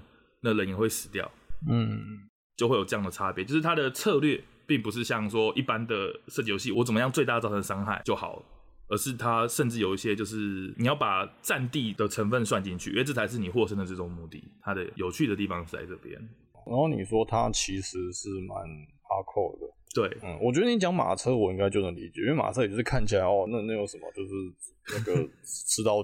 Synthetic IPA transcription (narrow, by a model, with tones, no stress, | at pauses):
na˥˩lə˨˩ni˧˥ŋxwe˥˩ɪʂɻ̩˨˩t̪jɑ̰˥˩ʊ˥˩ | t͡ɕjo˥˧xwe˥˩ɪjo˨˩ɤ˥˧jɑ˥˩ŋd̪ə˩ʈ͡ʂʰa˦˥pjɛ˧˦t͡ɕjo˥˧ʊʂɻ̩˥˩t̪ʰa˥d̪ə˨t͡sʰɤ˥˧lɥɛ˥˧ | pi˥˩ŋpu˨˩ʂ̬ɻ̩˥˧ɕjɑ˥˩ŋʂwɔ˥ʔi˥˩pa˦nd̪ə˨ʂə˥˩t͡ɕi˨˩jo˧˥ʊɕ̬i˥˨wɔ˦˥t͡sə˨˩mə˦jɑ˥˧ŋt͡swe˥ɪt̪a˥˧˩ɑ˥˩ʊə˧˥˧ʂɑ˥ŋxa˥˩ɪt͡ɕjo˥˩ʊxɑ̰˨˩ʊ | ə˞˧˥ʂɻ̩˥˩t̪ʰa˦˥ʂə˥˧nʈ͡ʂɻ̩˥˩jo˨˩ʊi˥˩ɕjɛ˥t͡ɕjo˥˧ʊʂɻ̩˥˩ni˨jɑ˥˩ʊpa˨˩t͡sa˥˧nt̪i˥˧d̪ə˩ʈ͡ʂʰə˧˥ŋfə˥˧nʂwa˥˧nt͡ɕi˥˧nt͡ɕʰy̰˥˩ɥɛ˥t͡s̩ʰ˥t͡sʰa˧˥ɪʂ̬ɻ̩˥˩ni˨˩xwɔ˥ʂə˥ŋd̪ə˨ʈ͡ʂɤ˥˩ʊ˨˩ŋmu˥˧t̪ḭ˥˩t̪ʰa˥d̪ə˨jo˨˩ʊt͡ɕʰy˥˩d̪ə˩t̪i˥˩fɑ˩ŋt͡sa̰˥˧ɪʈ͡ʂɤ˥˩pjɛ̰˦˥n | na˧˦nxo˥˩ʊnḭ˨˩ʂwɔ˥t̪ʰa˦t͡ɕʰi˧˥ʂɻ̩˧˦ʂɻ̩˥˩ma˧˦npa˥kʰo˥˩d̪ə̰˩t̪we˥˩ɪn̩˥˩wɔ˨˩t͡ɕɥɛ˧˥d̪ə˥ni˧˥t͡ɕjɑ˥ŋma̰˨˩t͡sʰɤ˥wɔ˨˩i˥ŋɡa˥ɪt͡ɕjo˥˩ʊnə˧˥ŋlḭ˧˥t͡ɕjjwma̰˨˩ɤ˥˨˩kʰa˥˩nt͡ɕʰi˨˩la˧˦ɪɔ˥˧na˥˧na˥˩jo˧˥ʊʂə˨˩nmə̰˦t͡ɕjo˥˧ʊʂɻ̩˥˩ | na˥˩ɡə˩ʈ͡ʂʰɻ̩˥t̪ɑ˥˧ʊ